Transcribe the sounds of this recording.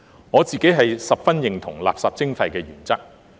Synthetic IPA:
ŋɔː˨˧t͡siː˨ke˨˥jɦɐ˨jsɐ˨p̚fɐ˥njɪ˨ŋt̪ʰʊ˨˩ŋla̰ː˨p̚saː˨p̚t͡sɪ˥ŋfʰɐ˨jkɛː˧jyː˨˩nt͡sɐ˥k̚

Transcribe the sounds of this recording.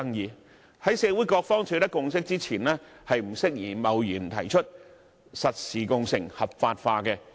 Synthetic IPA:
ɐ˥ŋjiː˨˧ | hɐ˨˥jsɛː˧wuː˨˥jkɔː˧k̚fɔː˥ŋt͡ʃʰɵ˧t̪ɐ˥kːʊ˧ŋs̬ɪ˥k̚t͡siː˥t͡sʰiː˨˩nlɛː˥hɐ˨jm̩˨˩sɪ˥k̚jiː˨˩mɐ˨wjyː˨˩nt̪ʰɐ˨˩jt͡ʃʰɵ˥t̚ | sɐ˨t̚siː˨˩kʊ˨˧ŋsɪ˨˩ŋhɐ˨p̚faː˧t̚faː˧kɛ˧

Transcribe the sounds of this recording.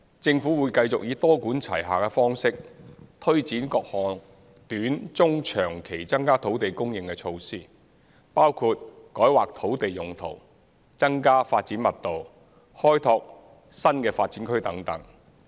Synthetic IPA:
t͡sɪ˧ŋfuː˨˥wuː˨˧jkɐ˧jt͡sʊ˨k̚jiː˨˧t̪ɔː˥kuː˨˥nt͡sʰɐ̰˨˩jɦaː˨˩kɛː˧fɔː˥ŋsɪ˥k̚t̪ʰɵ˥ɥt͡siː˨˥nkɔː˧k̚hɔː˨˩n | t̪yː˨˥nt͡sʊ˥ŋt͡ʃʰœː˨˩ŋkʰe˨˩jt͡sɐ˥ŋkaː˥t̪ʰo˨˥wt̪e˨jkʊ˥ŋjɪ˨ŋkɛ˧t͡ʃʰo˧wsiː˥ | paː˥wkʰuː˧t̚kɔː˨˥jwaː˨k̚t̪ʰo˨˥wt̪e˨jːʊ˨ŋt̪ʰo̰˨˩w | t͡sɐ˥ŋkaː˥faː˧t̚t͡siː˨˥nmɐ˨˩t̚t̪o˨w | hɔː˥jt̪ʰɔː˧k̚ | sɐ˥nkɛː˧faː˧t̚t͡siː˨˥nkʰɵ˥ɥt̪ɐ˨˥ŋt̪ɐ˨˥ŋ

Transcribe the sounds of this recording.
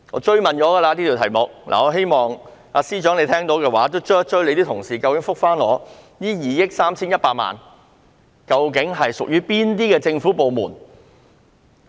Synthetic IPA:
ŋɔ̰ː˨˧t͡ʃɵ˥ɥmɐ˨˩nt͡ʃɔː˨˥ɡɐː˧laː˧t̪iː˥t̪i˨˩t̪ʰɐ˨˩jmʊ˨k̚lʔa̰ː˨ŋɔː˨˧ɦe˥jmɔː˨ŋ | a̰ː˨˧siː˥t͡ʃœː˨˥ŋle˨˧jt̪ʰɛː˥ŋt̪o˨˧˥wkɛː˧waː˨˥t̪o˥wt͡ʃœː˥t͡ʃɵ˥ɥle˨˧jt̪iː˥t̪ʰʊ˨˩ŋsiː˨kɐ˧wkɪ˨˥ŋfʊ˥k̚faː˥nlɔ̰ː˨˧ | jiː˥jiː˨˩jɪ˥k̚saː˥mt͡sʰiː˥njɐ˥t̚paː˧t̚ma̰ː˨n | kɐ˧wk̬ɪ˨˥ŋɦɐ˨jsʊ˨k̚jyː˥piː˥nt̪iː˥kɛː˧t͡sɪ˧ŋfu˨˥po˨wmuː˨˩n

